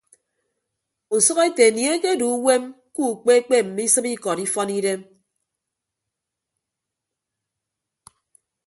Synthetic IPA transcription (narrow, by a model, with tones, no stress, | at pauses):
u˨sɔ˦ɣe˦te˨nje˦ke˦du˨˦we˦m | ku˦˨k͡pe˦k͡pe˦m̩˨mi˦sɨ˦pi˦kɔ˨ni˦fɔ˦ni˦de˦m